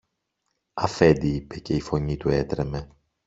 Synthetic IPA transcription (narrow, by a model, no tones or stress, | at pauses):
ɐfe̞nd̪iipe̞ce̞ifo̞ɲit̪ue̞t̪ɾe̞me̞